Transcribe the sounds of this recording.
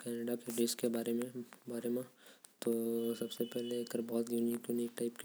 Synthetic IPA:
kɛːneɖakeɖeskebaːɾemẽbaːɾemẽt̪osɐbsepɛɦleɐɡəɾbɔːt̪juːniːkjuniːk̚ʈaɪpki

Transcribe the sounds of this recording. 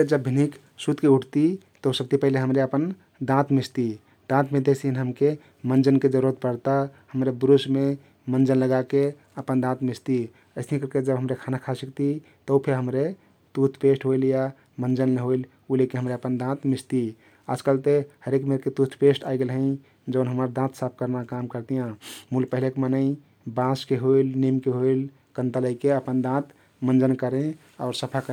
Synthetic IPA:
d͡ʒəbːʱinik | sut̪keuʈʰt̪i | t̪ɔusəb̚t̪ipəɦileɦəmɾeəpən | d̪ãt̪mist̪i | d̪̥ãt̪ʰmẽd̪esiɦinɦəmke | mənd͡ʒənked͡ʒəɾuɾət̪̚pəɾt̪ahəmɾebɾusme | mənd͡ʒənləɡake | əpənd̪ãt̪mist̪i | əɪsnĩkəɾked͡ʒəbɦəmɾekʰanakʰasikt̪i | t̪əupʰeɾɦəmɾe | t̪ut̪ʰpesʈɦoilja | mənd͡ʒənleɦoil | ulekeɦəmɾeəpənd̪ãt̪mist̪i | a̰d͡ʒkəlt̪ehəɾekmeɾket̪ut̪ʰpesʈaiɡelɦə̃ɪ̃ | d͡ʒəʊnɦəməɾd̪ãt̪sap̚ʰkəɾnakamkəɾt̪ijãmulpəɦilekemənəɪ | bãskeɦoilnimkeɦoil | kə̃nt̪ələikeəpənd̪ãt̪ | mənd͡ʒənkəɾẽ | aʊɾsəpʰakə

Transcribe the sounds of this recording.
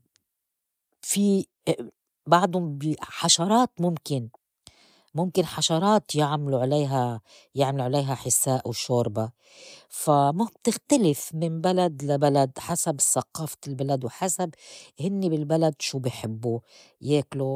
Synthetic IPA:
fi | baʕd̪ʊmbiħaʃɑɾˤɑːt̪mʊmkɪn | mʊmkɪnħaʃɑɾˤɑːt̪jɪʕmluʕaleːɦa | jɪʕmaluʕaleːɦaħɪsaːʔwʃoːɾˤba | famab̚t̪ɪxt̪alɪfmɪnbalad̪labalad̪ħasabsaqɑːflbalad̪wħasabhɪnːibɪlbalad̪ʃuːbɪħɪbːu | jeːklo

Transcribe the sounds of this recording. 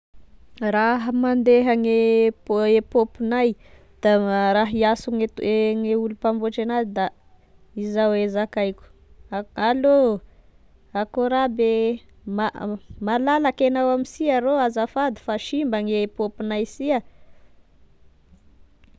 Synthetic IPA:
raɦəmand̪eɦaŋe | epopinaj | d̪̥aɾaɦiasuŋeeŋeulupamboʈ͡ʂenadid̪a | izawezakajkʲu̥ | alo | akoɾabe | mamalalakenawamisiaɾoazafad̪i̥faʃimbaŋepopinajsia

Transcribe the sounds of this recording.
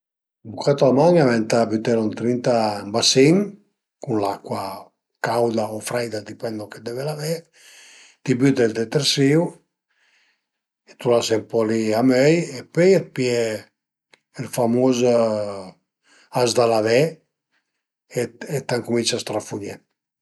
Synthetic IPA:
bukat̪oamaɲavɛnt̪abyt̪ɛɾɔnt̪ɾint̪ambasin | kunlakwa | kawd̪aofɾajd̪ad̪ipɛnd̪oked̪ɛvelavɛɾ | t̪ibyt̪eld̪et̪eɾsiw | et̪ulasɛmpɔliamøjepøjet̪̚piɛ | ɛlfamoz | azd̪alavɛ | eet̪aŋkumint͡ʃast̪ɾafuɲɛ

